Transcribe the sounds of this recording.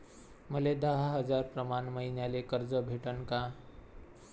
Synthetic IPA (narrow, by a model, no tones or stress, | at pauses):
məled̪əɦaɦəd͡zaɾpɾəmanməɦinjalekəɾd͡zəbʱeʈənka